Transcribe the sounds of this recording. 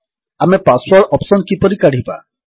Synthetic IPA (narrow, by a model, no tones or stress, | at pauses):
amepaswɔɾɖɔpsɔnkipɔɾikaɽ̤ipa̰